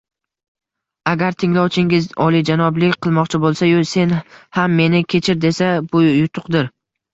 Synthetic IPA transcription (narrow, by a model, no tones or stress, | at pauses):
aɡʲaɾt̪ʰɪŋlawt͡ʃʰɪŋʲɪzɒlˠid͡ʒanɒblɪkʲqʰɨlˠmɒqt͡ʃʰɪbolˠsajʊse̞nhamːe̞nɪkʲʰe̞t͡ʃʰɪɾd̪e̞sabʊjʊt̪ʰʊqd̪ɪɾ